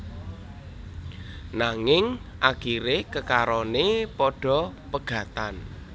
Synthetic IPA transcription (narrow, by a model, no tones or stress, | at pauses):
naŋɪŋʔaɡ̥iɾekəkaɾɔnepɔɖ̥ɔ̤pəɡ̥ä̤t̪an